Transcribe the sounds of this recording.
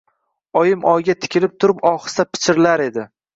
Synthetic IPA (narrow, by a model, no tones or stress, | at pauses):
ɒjɪmɒjɡʲat̪ʰɪ̥kʲɪlɪp̚t̪ʰʊɾɪpɒχɨ̥sapʰɪ̥t͡ʃʰɪɾlaɾe̞d̪ɪ